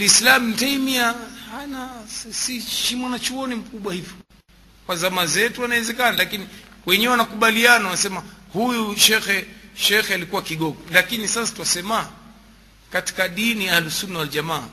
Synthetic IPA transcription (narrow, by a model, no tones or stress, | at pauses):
lislam̩taimiahanasiʃimwanat͡ʃuɔnim̩kuɓwahivɔ | kwazamazɛtuwanawɛzɛkanalakiniwɛɲɛɛwanakuɓalianawanasɛmahujuʃɛxɛʃɛxɛalikuwakiɠɔɠɔlakinisasḁtuwasɛmaː | kati̥kaɗinialusunaald͡ʒamaː